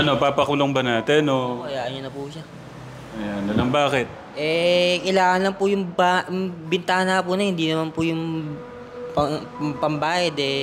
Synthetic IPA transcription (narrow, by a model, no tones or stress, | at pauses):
ʔɐno̞papɐkʊloŋbɐnaːt̪ɛnokɐjaːʔɐnɲʊnɐpuʃa | ʔɐjanːɐlɐŋbaːkɪt̪̚ | ʔɛkɐjlaːŋɐnlɐŋpʊjʊŋbabɪnt̪aːnapʊnɐhɪnd̪iːnɐmanpʊjʊŋ | pɐpɐmbaːjɐd̪ɛ